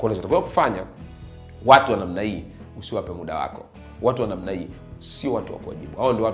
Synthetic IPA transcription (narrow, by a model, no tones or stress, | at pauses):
kanasɔatakuaku̥faɲa̰ | watuwanam̩nahiː | usiwapɛmuɗa̰wa̰kɔ | watuwanam̩nai | siɔwatuwa̰kuwa̰ʄiɓuhaɔndiɔwa